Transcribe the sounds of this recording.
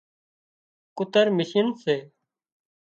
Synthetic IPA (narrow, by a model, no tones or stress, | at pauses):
kʊt̪əɾmɪsənseː